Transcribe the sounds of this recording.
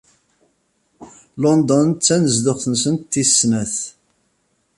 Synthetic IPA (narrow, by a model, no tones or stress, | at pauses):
lɔnd̪ɔnt͡sːænəzd̪ʊχθənsənt̪ːisːnæθ